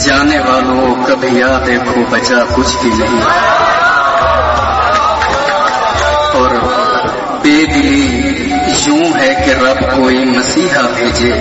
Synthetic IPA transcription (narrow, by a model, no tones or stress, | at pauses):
d͡ʒaːneːʋaːlõːkəbʱijaːd̪eːkʰoːbət͡ʃaːkʊt͡ʃʰkid͡ʒɦiː | ɔːɾ | peːɡliː | jõːɦɛːkeɾəbkoːiːməsiːɦaːbʱeːd͡ʒeː